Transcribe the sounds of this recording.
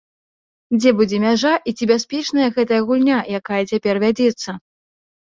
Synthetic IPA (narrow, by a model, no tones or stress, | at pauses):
d͡zʲɛbud͡zʲɛmʲaʐaʔit͡sʲibʲasʲpʲɛt͡ʂnɐjɐɣɛt̪ɐjɐɣulʲnʲajakajɐt͡sʲapʲɛrvʲad͡zʲɛt̪sːɐ